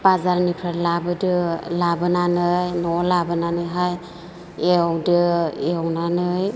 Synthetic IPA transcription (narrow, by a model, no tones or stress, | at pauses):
bazaɾnipʰɾaɾlabɯdɯlabɯnanɯjnɔlabɯnanɯjɦaj | ewdɯewnanɯj